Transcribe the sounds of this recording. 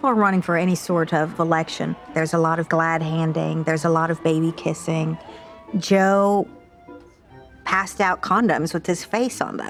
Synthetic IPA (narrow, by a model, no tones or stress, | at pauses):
pl̩ˠəɹʌñɪ̃ŋfə˞ɛɾ̃isɔɹɾʌvəlɛkʃɨ̰̃nðə˞zəlɔɾʌvɡlæd̚ɦæ̃ndɪ̰̃ŋðə˞zəlɔɾʌvbeɪbikʰɪsɪ̃ŋ | d͡ʒoʊ | pʰæstaʊt̚kʰɑ̃ndɨ̰̃mzwɨð̥ɨz̥feɪsn̩ðə̰̃